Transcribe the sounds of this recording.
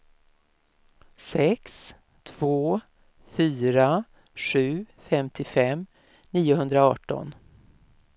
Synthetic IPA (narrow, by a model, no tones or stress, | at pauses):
sɛks | t̪ʰv̥oː | fyːɾa | ɧʉ̟ːfɛmt̪ʰɪfɛm | niːʊɦɵnd̪ɾaɑːʈɔ̰n